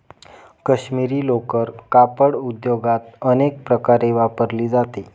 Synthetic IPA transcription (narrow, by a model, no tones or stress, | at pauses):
kəɕmiɾiːlokəɾkapəɽud̪joɡat̪ənek̚pɾəkaɾeʋapəɾliːd͡zat̪e